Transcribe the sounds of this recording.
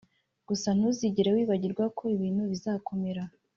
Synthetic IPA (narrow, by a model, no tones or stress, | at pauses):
ɡ̥usan̥huziɟiɾewiːβaɟiɾɡwakʰo̞iβiːn̥huβizaːko̞me̞ɾa